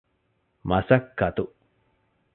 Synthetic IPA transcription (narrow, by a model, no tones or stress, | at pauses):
mɐsɐkːɐt̪u